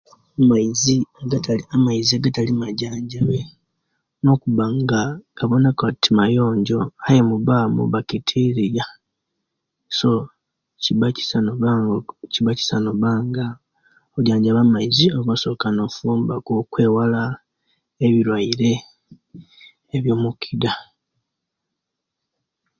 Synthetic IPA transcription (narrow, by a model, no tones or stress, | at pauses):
maiziaɡataliamaiziaɡatalimaɟaːɲɟaβe | no̞kuβaŋɡakaβonakotimajo̞ːɲɟo̞ajemuβaːmṵβakitʰiɾija | so | ciβai̥sanaɡciβaci̥sanoβaːŋɡa | oβɟaːɲɟaβamaizioβaso̞kano̞fuːmbakokwe̞ːwala | eβiɾwaiɾe̞ | βjo̞ːmukʰida